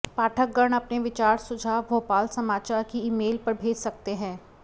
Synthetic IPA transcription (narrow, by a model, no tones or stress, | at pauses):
paːʈʰək̚ɡəɳ̃ɐpneʋɪt͡ʃaːɾsʊd͡ʒʱaːɦʋʱoːpaːlsɐmaːt͡ʃaːɾkiɪmeːlpɐɾbʱeːd͡ʒsɐk̚t̪eɦɛ̃ː